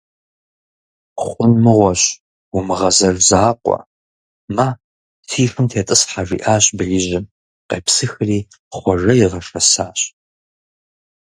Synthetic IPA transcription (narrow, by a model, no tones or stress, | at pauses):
χʷʊnmɨʁʷɔɕ | wʊmɨʁɐzɐrzaːqʷʼɔ̰ | ma | tʰiːfɨmtʰeːtʼɨsħaʒḭːʔaːɕʼbɐjɪʑɪm | qḛːpsɨxɨriː | χʷɔʒɐjɪʁɐʂɐsaːɕ